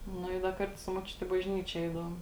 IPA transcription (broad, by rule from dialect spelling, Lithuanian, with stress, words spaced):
ˈnʊ ɪ dɐ ˈkɐrtʊ sʊ moːˈt͡ʃʲʊtʲɪ ɪ bɐʒʲˈnʲiːt͡ʃʲeː ˈɛɪdɐʋoːm